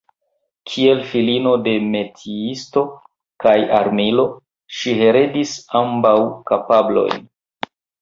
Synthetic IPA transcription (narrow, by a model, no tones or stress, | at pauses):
kʰie̞lfilino̞de̞me̞tʰiisto̞ | kaja̰ɾmilo̞ | ʃihe̞ɾe̞disambawkapablo̞̰jn